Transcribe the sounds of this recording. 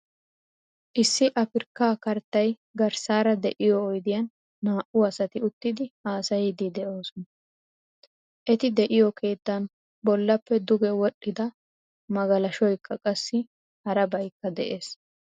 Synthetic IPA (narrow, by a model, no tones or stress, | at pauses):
ʔɪsːɪʔɐfɪɾkːaːkɐɾt̪ːɐj | ɡɐɾsaːɾɐd̪ɛʔɪjɔːjd̪ɪjɐnː | aːʔʊɐsɐt̪ɪʊt̪ːɪd̪ɪaːsɐjɪd̪ɪd̪ɛʔo̞ːsɔnɐ | ʔɛt̪ɪd̪ɛʔɪjɔkʰe̞ːt̪ːɐn | bɔlːɐpːɛd̪ʊɡɛwɔɗːɪd̪ɐ | mɐɡɐlɐʃɔjkːɐkʼɐsːɪ | hɐɾɐbɐjkːɐd̪ɛʔe̞ːs